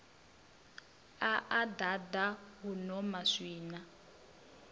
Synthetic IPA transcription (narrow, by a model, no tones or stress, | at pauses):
aʔadadaɦunɔmaʂiːna